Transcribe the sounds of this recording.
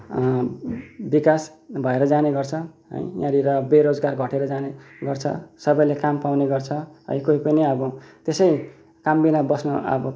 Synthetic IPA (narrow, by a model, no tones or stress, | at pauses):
bikasbʱʌeɾʌd͡zaneɡʌrt͡sʰʌɦʌ̰jjãɾiɾʌbeɾod͡zɡarɡʱʌʈeɾʌd͡zaneɡʌrt͡sʰʌ̰sʌbʌjlekampawneɡʌrt͡sʰʌɦʌ̰j̃koipʌniʌbʌt̪esʌj | kambinabʌsnʌʌ̰bʌ